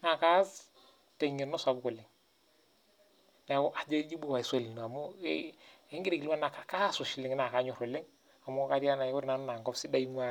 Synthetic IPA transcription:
na˨ka˦s | te˨ɲɪ˨nɔ˦sa˨bko˨lɪ˨ŋ | na˨˦kʊ˦ʔa˨d͡ʒe˦d͡ʒi˦bo˦˨wa˨i˨se˦˨li˨n˨a˨mʊ˦e˦ŋɡi˦ɾe˨ki˨li˦wa˦na˨ka˨ka˦sʊ˨ʃi˨lɪ˨ŋ˦na˨ka˨˦ɲʊ˨ɾo˨lɪ˦ŋ | a˨mʊ˦ka˦ɾja˦na˨˦kʊ˦ɾna˨˦nʊ˦na˨ŋɡɔ˦fsi˦da˦i˦mu˦a˦

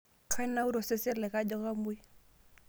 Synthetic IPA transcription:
kʰa˦na˦u˦ɾɔ˨se˦sɛ˦lɛ˨ka˦d͡ʒɔ˦ka˦mwi˦

